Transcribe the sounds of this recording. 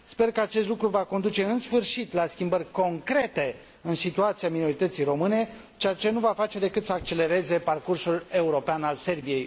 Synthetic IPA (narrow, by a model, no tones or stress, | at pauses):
spe̞rkəat͡ʃe̞st̪lukɾuvako̞nd̪ut͡ʃe̞ɨnsfɨrʃit̪laskʲimbərʲko̞ŋkɾe̞t̪e̞ | ɨnsit̪uat̪siamino̞ɾit̪ət̪sijɾo̞mɨne̞ | t͡ʃeat͡ʃe̞nuvafat͡ʃe̞d̪e̞kɨt̪səak̚t͡ʃe̞le̞ɾe̞ze̞parkursule̞uɾo̞peanalse̞rbije̞j